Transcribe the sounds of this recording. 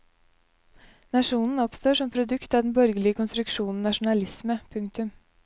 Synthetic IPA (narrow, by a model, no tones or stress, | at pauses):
nɑʂuːnn̩ɔpst̪oːʂɔmpʰɾʊd̪ʉkt̪ɑd̪n̩bœɾɡəlɪəkʰʊnst̪ɾʉkʂuːnn̩nɑʂʊnɑlɪsməpʰʉŋk̚t̪ʉm